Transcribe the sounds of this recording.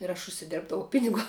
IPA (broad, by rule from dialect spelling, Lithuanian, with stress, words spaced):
ɪr ɐʃ ʊʃʲsʲɪˈdʲeːrbdɐʋɐʊ ˈpʲɪnʲɪɡuɔ